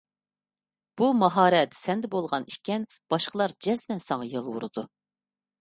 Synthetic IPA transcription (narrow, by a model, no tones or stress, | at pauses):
b̥umɑɦɑːɾɛt̪sɛnd̪ɛbolˠʁɑniʃkʲɛn | b̥ɑʃqəlˠɑɾd͡ʒɛzmɛnsɑŋɑjɑlˠwṵɾɨd̪u